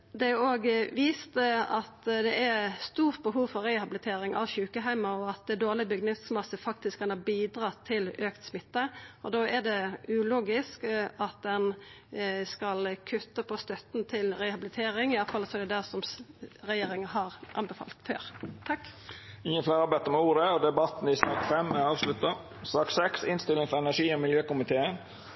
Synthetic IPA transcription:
d̪ɛoːɡʋiːst̪əɑt̪d̪ɛʔæɾst̪uːʁt̪̚bəɦuːʋfɔɾːɛhɑbɪlɪt̪ʰeːɾɪŋɑ̰ʋçʉːkəɦæɪmɑɔɑt̪̚d̪ɛd̪oːʁlɪbəɡnɪt̪smɑsəfɑk̚t̪ɪskʰːɑnɑbiːd̪ɾɑːt̪ʰɪløːkt̪smɪt̪ːəɔd̪oːæd̪ɛʉloːɡɪskɑt̪̚d̪ɛn | skɑlkʰʉt̪ːəpʰɔst̪œt̪n̩t̪ʰɪlɾɛhɑbɪlɪt̪ʰeːɾɪŋɪɑfɑlːəsɔɛɖ̪ɛd̪æsɔmɾɛjeːɾɪŋənɦɑɾʔɑ̰nbəfɑ̰lt̪fø̰ːɾt̪ʰɑkːɪŋːənfleːʁɑbɛt̪ːəmɛuːd̪əɔd̪ɛbɑt̪n̩ɪsɑ̰ːkfɛmɛɑːʋslʉt̪ə | sɑːksɛksɪnst̪ɪlɪŋfɔɾɛnæʂiːɔmɪljøːkʊmɪt̪ʰeːən

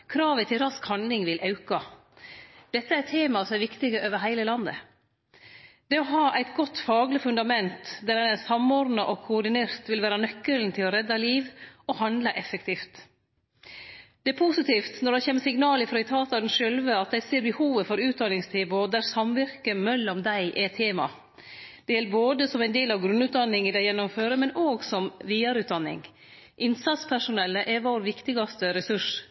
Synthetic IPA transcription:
kʰɾɑːʋət̪ʰɪlɾɑskhɑnd̪lɪŋʋɪlʔɑʉkɑ | d̪ɛt̪ːəæɾt̪ʰeːmɑsɔmæɾʋɪkt̪ɪɡəʔøːʋəɾɦæɪləlɑnd̪ə̰ | d̪̥ɛɔɦɑːʔæɪt̪ɡɔt̪ːfɑːɡlɪfʉnd̪ɑmɛnt̪d̪æɾɛnæsɑmɔɾd̪nɑʔɔkʰʊʊɖɪneːɾt̪ʋɪlʋæːɾɑnœkːəln̩t̪ʰɪlɔɾɛd̪ːɑliːʋɔhɑnd̪lɑʔɛfəkt̪ʰiːft̪ | d̪̥ɛɛpʰusɪt̪iːft̪nɔɖ̪ɑçɛːməsɪŋnɑːləfɾɔɛɪt̪ʰɑːt̪ɑd̪ɛnʂœlʋəɑt̪̚d̪æɪseːɾbəhuːʋəfɔɾʉːt̪̚d̪ɑnɪŋst̪ʰeːbʊd̪æɾsɑmʋɪɾkəmɛlːɔmd̪æɪʔɛt̪ʰeːmɑ̰ | d̪̥ɛjɛlboːd̪əsɔmæɪnd̪eːlɑʋɡɾʉnʉːt̪̚d̪ɑnːɪŋɪd̪æɪjɛnːʊmføːɾəmɛnoːɡsɔmʋiːɑɾʉːt̪̚d̪ɑnːɪ̰ŋ | ʔɪnsɑt̪spʰæʂʊnɛlːəʔɛʋoːɾʋɪkt̪ɪɡɑst̪əɾɛsʉʂ

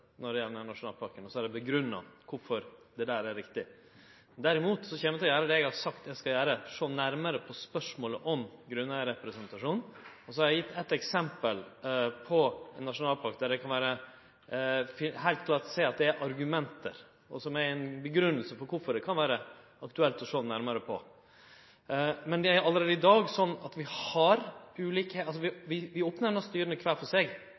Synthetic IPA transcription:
nɔɖɛjɛlnænɑʂʊnɑːlpʰɑɾkənɔsɔæɖɛbəɡɾʉnːɑ̰kʰʊɾfɔɾd̪ɛd̪æːɾæɾɾɪkt̪ɪ | d̪æɾɪmuːt̪sɔçɛːməɛt̪lɔjæːɾəd̪ɛɛɡhɑɾsɑkt̪ɛɡskɑljæːɾəʂoːnæɾməɾəpʰɔspœʂmoːləʔɔmɡɾʉnːəɾɛpɾɛsənt̪ɑʂuːnɔsɔhɑɾæjɪt̪ːɛt̪ːɛksɛmpəlpʰɔɛnːɑʂʊnɑːlpʰɑɾk̚d̪æɖɛkʰɑnʋæːɾə | fɪhæɪlt̪kʰlɑːʈseːɑt̪̚d̪ɛæɾʔɑɾɡʉmɛnt̪ə̰ɾ | ʔɔ̰sɔmæɾænbəɡɾʉnːəlsəfɔkʰʊɾfɔɖɛkʰɑnʋæːɾə | ɑkt̪ʉɛlt̪ɔʂoːnæɾməɾəpʰɔ̰ | mɛnd̪ɛæɾjʊɑləɾeːd̪əɪd̪ɑːɡsɔnːɑt̪ʋɪhɑɾʉːliːkɛɑls̬ɔʋɪʋɪʋɪoːpnəɳɔst̪yːɾənəkʰʋæːlfɔʂeːɡ

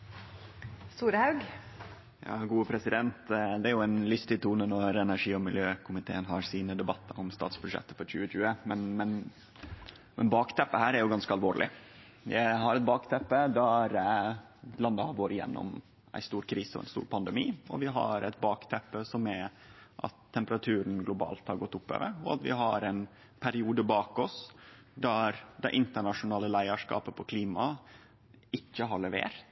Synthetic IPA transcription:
st̪uːɾəhɑʉɡ | jɑ̰ːɡuːəpʰɾɛsɪd̪ɛnt̪d̪ɛæɾjʊæɪnlʏst̪ɪt̪ʰuːnənɔɾɛnæɾʂiːɔmɪljøːkʰʊmɪt̪ʰḛːənɦɑɾsiːnəd̪ɛbɑt̪ːəɔmst̪ɑ̰ːt̪sbɾʉʂɛ̰t̪ːəfɔɾçʉ̰ːəɕʉːəmɛnmɛn | mɛnbɑːkt̪ʰɛpːəhæːɾæɾjʊɡɑnskəɑlʋoːɾlʔɪ̰ | jæɪɦɑɾɛt̪̚bɑːkt̪ʰɛpːəd̪ɑɾ | lɑnd̪əhɑʋoːɾɪjɛ̰nːɔ̰m | æ̰ɪst̪uːɾkʰɾiːsəɔ̰ɛ̰ɪnst̪ṵːɾpʰɑnd̪əmiːɔ̰ʋɪɦɑ̰ɾɛɪt̪̚bɑːkt̪ʰɛpːəsɔmæʔɑ̰t̪ʰːɛmpəɾɑt̪ʰʉːɾənɡlʊbɑ̰ːlt̪hɑɾɡɔt̪ːʊpːø̰ːʋə̰ɾɔɑ̰t̪ʋɪ̰ɦɑɾɛn | pʰæɾɪuːd̪əbɑːkɔs | d̪æɾd̪ɛʔɪnt̪əɳɑʂʊnɑːləlæɪəʂkɑ̰ːpəpʰɔkʰliːmɑ | ɪçːəɦɑɭɛʋḛːɾt̪

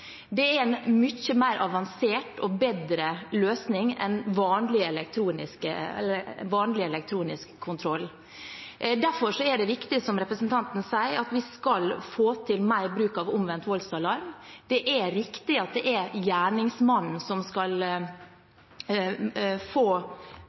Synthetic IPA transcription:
d̪ɛæɾɛnmʏçəmæɪɾʔɑʋɑnseːʈɔbed̪ɾəløːsnɪŋɛ̰nʋɑːnlɪɛlɛkt̪ʰɾuːnɪskə̰ | ʋɑːnlɪɛlɛk̚t̪ʰɾuːnɪskʰːʊnt̪ʰɾɔlː | d̪æɾfɔʂɔɛɖɛʋɪkt̪ɪsɔmɾɛpɾəsənt̪ʰɑnt̪n̩sæɪəɾɑt̪ʋɪskɑlfoːt̪ʰɪlmæɪɾbɾʉːkɑʋʊmʋɛnt̪ʋɔlsɑlɑɾmd̪̥ɛʔɛɾɪkt̪ɪɑt̪̚d̪ɛʔɛɾjæːɳɪŋsmɑnn̩sɔmskɑl | foː

